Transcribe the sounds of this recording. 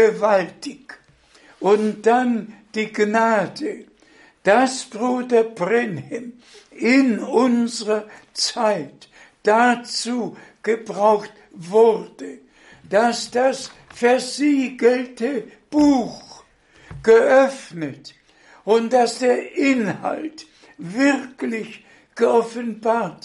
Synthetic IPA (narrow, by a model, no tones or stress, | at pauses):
əvaltɪk | ʔʊntd̥and̥iːɡnaːdə | d̥asb̥ʁuːdɐbʁɛnhɛm | ɪnʊnzəʁɐt͡saɪt | d̥at͡suːɡ̥əbʁaʊxt | vʊʁd̥ə | d̥asd̥asfɛɐziːɡəl̩tə | b̥uːx | ɡ̥əʔœfnət | ʔʊntd̥asd̥eːɐʔɪnha̰lt | vɪʁklɪç | ɡ̥əɔfənbaːɐt